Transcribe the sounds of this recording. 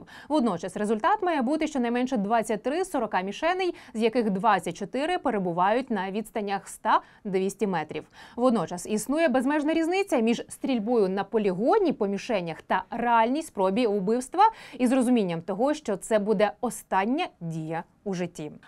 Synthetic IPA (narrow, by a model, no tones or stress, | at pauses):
ʋɔd̪nɔt͡ʃɐsrezʊlʲt̪ɑt̪mɑjɛbut̪ɪʃt͡ʃɔnɐjmɛnʃɛd̪ʋɑt͡sʲːɐt̚ʲt̪ɾɪsɔɾɔkɑmʲiʃɛnɪjzjɐkɪxd̪ʋɑt͡sʲːɐt̚ʲt͡ʃɔt̪ɪɾɪpeɾebʊʋɑjʊtʲnɐʋʲid̪st̪ɐnʲːɐxst̪ɑ | d̪ʋʲisʲtʲimɛt̪ɾʲiwʋɔd̪nɔt͡ʃɐsisnujɛbezmɛʒnɐɾʲiznɪt͡sʲːɐmʲiʒst̪ɾʲilʲbɔjʊnɐpɔlʲiɦɔnʲipɔmʲiʃɛnʲːɐxt̪ɐɾeɑlʲnʲijsʲt̪sʲpɾɔbʲiʊbɪwst̪ʋɐizrɔzʊmʲinʲːɐmt̪ɔɦɔʃt͡ʃɔt̪sɛbud̪ɛɔst̪ɑnʲːɐdʲijɐ | uʒɪtʲːi